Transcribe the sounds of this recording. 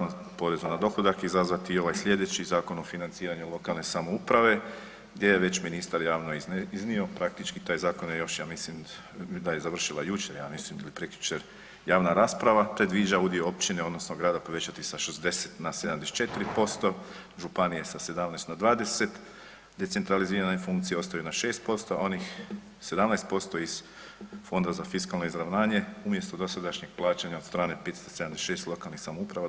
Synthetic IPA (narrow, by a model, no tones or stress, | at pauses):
n | po̞ɾe̞zunad̪o̞xlod̪akizazʋat̪iːo̞ʋajslʲʎe̞d̪et͡ɕizaːko̞no̞finant̪siːɾaɲulˠo̞kalˠne̞samoupɾaʋe̞ | ɡd̪je̞jeʋe̞t͡ɕminist̪aɾjaːʋnoiiznio̞pɾak̚t̪it͡ʃkit̪aːjzaːko̞njejo̞ʃjaːmislim | d̪aje̞zaʋr̩ʃilˠajut͡ʃeɾjaːmislimilipɾekjut͡ʃeɾ | jaːʋnaɾaːspɾaʋapɾe̞d̪ʋid͡ʒaud̪ijoopt͡ʃineod̪nosnoɡɾaːd̪apo̞ʋet͡ɕat̪isaʃezd̪e̞set̪nased̪amd̪est͡ʃe̞t̪iɾipo̞st̪o̞ | ʒupanije̞sase̞d̪amnast̪nad̪ʋaːd̪e̞se̞t̪ | d̪e̞t̪e̞nt̪ɾaliziːɾane̞fuŋkt̪sijeost̪ajunaʃe̞ːst̪̚po̞st̪oa̰o̞nix | se̞d̪amnajst̪po̞st̪o̞iz̥ | fo̞nd̪azafiskalno̞izɾaʋnaːɲe̞umje̞st̪od̪o̞sad̪aʃɲeɡ̥̚plˠaːt͡ʃaɲao̞t̪st̪ɾaːne̞pet̪st̪osed̪amd̪esʃe̞ːst̪lo̞kalˠnixsamoupɾaʋa